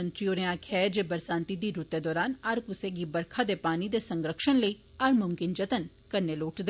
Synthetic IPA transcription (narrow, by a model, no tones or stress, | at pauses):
ənt̪ɾioːɾẽãːkʰɛːd͡ʒeːbəɾsãːnt̪id̪iːɾut̪ːeːd̪ɔːɾaːnɐɾkʊseːɡiːbəɾkʰad̪eːpaːniːd̪eːsə̃ŋɡɾəkʃənləiː | ɐɾmʊmkɪnd͡ʒət̪ən | kəɾneːloːʈd̪e